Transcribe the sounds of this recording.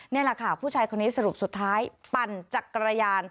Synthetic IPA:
niː˥˩la˧˩kʰa˥˩pʰuː˥˩aː˧jkʰo˧nːiː˦˥sa˧ɾu˨˩p̚su˨˩t̪ʰːaː˦˥jpa˧nt͡ɕa˨˩kːɾa˧jaː˧n

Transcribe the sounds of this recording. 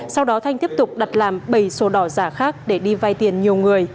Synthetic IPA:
sa˧wɗɔ˨˦t̪ʰa˧jŋ̟t̪i˦˥əp̚t̪ʊ˨˩k͡p̚ɗa˨˩t̚laː˨˩mɓə˧˩jso˨˦ɗɔ˧˩zaː˧˩xaː˦˥k̚ɗe˧˩ɗi˧vaː˧jt̪i˨˩ənɲi˨˩əwŋɨ˨˩əj

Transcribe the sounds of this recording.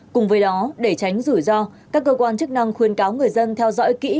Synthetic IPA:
kʊ˨˩ŋ͡mvəː˨˦jɗɔ˨˦ɗe˧˩t͡ɕa˨˦jŋ̟zu˧˩jzɔ˧kaː˦˥kːəː˧kwaː˧nt͡ɕɨ˦˥k̚na˧ŋxwi˨˩ənkaː˨˦wŋɨ˨˩əjzə˧nt̪ʰɛ˧wzɔ̰˧˥jkḭ˧˥

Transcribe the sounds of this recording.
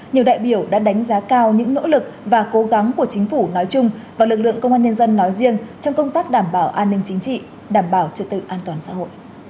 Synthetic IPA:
ɲi˨˩əwɗa̰ː˧˨jɓi˧˩əwɗa̰ː˧˥ɗa˨˦jŋ̟zaː˨˦kaː˧wɲɨ̰˧˥ŋno̰˧˥lɨ˨˩k̚vaː˨˩ko˨˦ɣa˨˦ŋku˧˩ət͡ɕï˨˦ŋ̟fu˧˩nɔ˨˦jt͡ɕʊ˧ŋ͡mvaː˨˩wlɨ˨˩k̚lɨ̰˧˨əŋkə˧wŋ͡mʔaː˧nɲə˧nzə˧nːɔ˨˦jzi˧əŋt͡ɕɔ˧wŋ͡mkə˧wŋ͡mt̪aː˦˥k̚ɗaː˧˩mɓaː˧˩wʔaː˧nːï˧ŋ̟t͡ɕï˨˦ŋ̟t͡ɕḭ˧˨ | ɗaː˧˩mɓaː˧˩wt͡ɕɨ˧˩t̪ɨ̰˧˨ʔaː˧nt̪waː˨˩nsa̰ː˧˥ho̰˧˨jʔ

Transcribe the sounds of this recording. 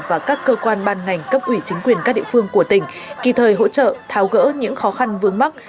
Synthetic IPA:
vaː˨˩kaː˦˥kːəː˧kwaː˧nɓaː˧nŋa˨˩jŋ̟kə˦˥p̚ʔwi˧˩t͡ɕï˨˦ŋ̟kwi˨˩ənkaː˦˥ɗḭ˧˨fɨ˧əŋku˧˩ət̪ï˧˩ŋ̟ | ki˧˩t̪ʰəː˨˩jɦo̰˧˥t͡ɕə̰˧˨t̪ʰaː˨˦wɣə̰ː˧˥ɲɨ̰˧˥ŋxɔ˨˦xa˧nvɨ˧əŋma˦˥k̚

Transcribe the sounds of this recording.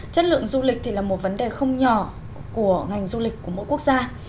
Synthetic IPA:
t͡ɕə˦˥t̚lɨ̰˧˨əŋzu˧lï˨˩k̚t̪ʰi˨˩laː˨˩mo˨˩t̚və˨˦nɗe˨˩xə˧wŋ͡mɲɔ˧˩ | ku˧˩əŋa˨˩jŋ̟zu˧li˨˩k̟̚ku˧˩əmo̰˧˨jku˦˥ək̚z̥aː˧

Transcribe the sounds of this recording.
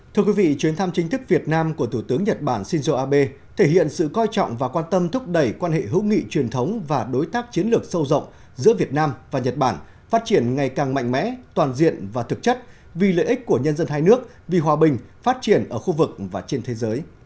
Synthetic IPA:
t̪ʰɨ˧əkwi˨˦vḭ˧˨t͡ɕwi˨˦ənt̪ʰa˧mt͡ɕï˨˦ŋ̟t̪ʰɨ˦˥k̚vi˨˩ət̚naː˧mku˧˩ət̪ʰu˧˩t̪ɨ˨˦əŋɲə˨˩t̚ɓaː˧˩nsi˧nzo˧ʔaː˧ɓe˧ | t̪ʰe˧˩hḭ˧˨ənsɨ̰˧˨kɔ˧jt͡ɕɔ̰˧˨wŋ͡mvaː˨˩kwaː˧nt̪ə˧mt̪ʰʊ˦˥k͡p̚ɗə˧˩jkwaː˧nhḛ˧˨ɦɨ̰˧˥wŋḭ˧˨t͡ɕwi˨˩ənt̪ʰə˨˦wŋ͡mvaː˨˩ɗo˨˦jt̪aː˦˥k̚t͡ɕi˨˦ənlɨ˨˩ək̚sə˧wzə̰˧˨wŋ͡m | zɨ̰˧˥vi˨˩ət̚naː˧mvaː˨˩ɲə˨˩t̚ɓaː˧˩n | faː˦˥t̚t͡ɕi˧˩ənŋa˨˩jkaː˨˩ŋma̰˧˨jŋ̟mɛ̰˧˥t̪waː˨˩nzḭ˧˨ənvaː˨˩t̪ʰɨ˨˩k̚t͡ɕə˦˥t̚ | vi˨˩lḛ˧˨ʔi˦˥k̟̚ku˧˩əɲə˧nzə˧nɦaː˧jnɨ˦˥ək̚ | vi˨˩ɦwaː˨˩ɓï˨˩ŋ̟faː˦˥t̚t͡ɕi˧˩ənʔəː˧˩xu˧vɨ˨˩k̚vaː˨˩t͡ɕe˧nt̪ʰe˨˦zəː˨˦j

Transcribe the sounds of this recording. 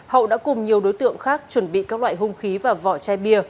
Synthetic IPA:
hə̰˧˨wɗa̰ː˧˥kʊ˨˩ŋ͡mɲi˨˩əwɗo˨˦jt̪ɨ̰˧˨əŋxaː˦˥k̚t͡ɕwə˧˩nɓḭ˧˨kaː˦˥k̚la̰ː˧˨jhʊ˧ŋ͡mxi˨˦vaː˨˩vɔ̰˧˩t͡ɕaː˧jɓi˧ə

